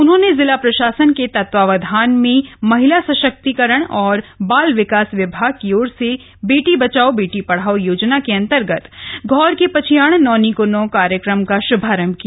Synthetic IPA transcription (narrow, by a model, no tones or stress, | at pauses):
ʊnɦõːnezɪlapɾɐʃaːsənket̪ɐt̪ʋaːʋɐd̪ʱaːnmẽmɐɦɪlasɐʃək̚t̪ikəɾəɽ̃ɔːɾbaːlʋɪkaːsʋɪbʱaːɡ̚kioːɾse | beːʈibɐt͡ʃaːobeːʈipɐɽ̤aːojoːd͡ʒnakeɐ̃nt̪əɾɡət̪ɡʱɔːɾkepɐt͡ʃʰijaːɽ̃nɔːnikonõkaːɾjəkɾəmkaʃʊbʱaːɾə̃mkija